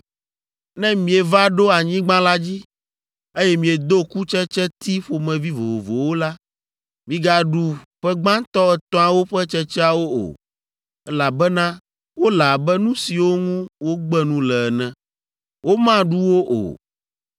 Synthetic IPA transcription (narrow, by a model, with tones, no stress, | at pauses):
nɛ̃˦mĩ˨e˨va˦ɖo˦a˨ɲĩ˦ɡ͡bã˦la˦d͡ʑi˦ | e˦jɛ˦mĩ˨e˨d̪o˦ku˦t͡ʃɛ˦t͡ʃɛ˦t̪i˦ɸo˨mɛ̃˨vi˦vo˨vo˨vo˨wo˦la˦ | mĩ˨ɡa˨ɖu˦ɸɛ˦ɡ͡bã˦t̪ɔ˦ɛ˨t̪ɔ̃˦a˨wo˦ɸɛ˦t͡ʃɛ˦t͡ʃɛ˦a˨wo˦o̰˨ | ɛ˦la˨bɛ˦nã˦ | wo˦la˨bɛ˦nũ˦si˨wo˦ŋũ˦wo˦ɡ͡bɛ˦nũ˦lɛ˨ɛ˨nɛ̃˨ | wo˦mã˦ɖu˦wo˦ʔo̰˨